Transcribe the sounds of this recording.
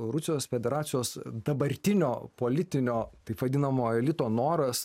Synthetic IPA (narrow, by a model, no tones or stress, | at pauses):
ɾʊsʲɪjoːsfʲɛd̪ʲɛɾɑːt̪sʲɪjoːsd̪ɐbɐɾʲt̪ʲɪnʲoːpoːlʲɪt̪ʲɪnʲoːt̪ɐɪpʋɐd̪ʲɪnɐmoːɛlʲɪt̪oːnoːɾɐs